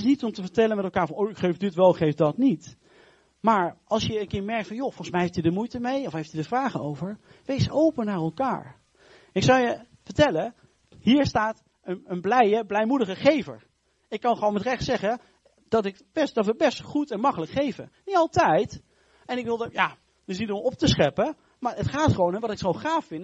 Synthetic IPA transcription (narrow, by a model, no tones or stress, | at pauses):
ɪsnitɔmtəvəɹtɛlənmɛtɛlˠkaːɹvɑnowɪkχejfdɪtʋɛlˠkχejfdɑtnit | maːɹɑlˠsʃjəːnkɪːɹmɛɹk̚tfɑnjofɔlˠχənsmɛjɦeftidəmujtəmejɔfɦejftidəɹvraːχənowvəɹ | ʋejsowpənaːɹɛlˠka̰ːɹ | ɪksɑwjə | vəɹtɛlə | ɦiːɹstaːt | ənənblɛjəblɛjmudəχəχejvə̰ɹ | ɪkːɑnχəʋonmɛtrɛχtsɛχə | d̥ɑtɪkb̥ɛsd̥ɑtʋəbɛstχutɛnmɑkələkχejvə̰niɑlˠtɛjt | ɛnɪkʋɪlˠdəja | dɪs̬nitɔmɔp̚təsχɛpə | maːɹətχaːtχəʋownəʋɑtɪkχonχaːfːɪn